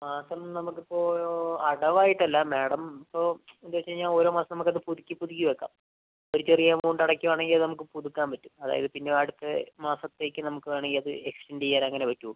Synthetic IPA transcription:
maːsɐmnɐmukːipːo̞ːɐɽɐʋaːjiʈːɐlːɐme̞ːɽɐmipːo̞ːend̪uʋɐt͡ɕːɐɲaːno̞ːɾo̞ːmaːsɐmnɐmukːɐðɨpuðikʲːipuðikʲːuʋekːa̰ːm | oɾit͡ɕːerijeːmoɳɖɐɽɐkːuʋaːɳe̞ŋɡilɐðɨnɐmuk̬ːɨpuðukːaːmpɐtːumɐða̰ːjɐ̰ðɨpinːeɐɽut̪ːemaːsɐt̪ːe̞ːkʲːɨnɐmukːɨʋeːɳeŋɡilɐðɨ̰ekstendijːaːɾaɐŋːɐneʋɐtːuʋu

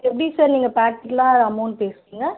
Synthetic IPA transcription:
ɛpːɐɽisaːɾniːŋɡɐpaːkːɪʈːlãːɐðɐmːoːnpeːsɯ̥kiːŋɡɐ

